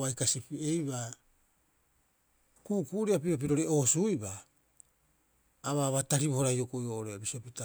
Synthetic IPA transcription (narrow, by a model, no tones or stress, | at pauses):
ajkasipie̞jβa | kuːkuʔɾeapiɾop̬iɾo̞ɾe̞ʔosuiba | βaβataɾibohoɾajokojoʔoɾeabisiopita